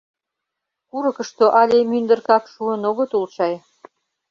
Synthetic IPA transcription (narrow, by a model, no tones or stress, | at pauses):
kuɾəkə̆ʃt̪oʔɑlʲemynd̪ə̆rkɑkʃuənoɣot̪ult͡ɕɑj